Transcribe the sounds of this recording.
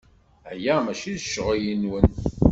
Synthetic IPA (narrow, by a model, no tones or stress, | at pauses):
æjæmæʃiðʃːʁijinwən